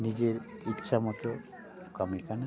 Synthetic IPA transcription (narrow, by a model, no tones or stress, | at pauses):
nid͡ʑeɾitːʃʰamɔt̪o | kɔmikana